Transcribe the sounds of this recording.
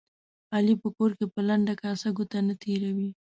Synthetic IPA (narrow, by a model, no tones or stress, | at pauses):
ɑlipəkoɾkepəlaɳɖakɑsaɡot̪anat̪ʰeɾawi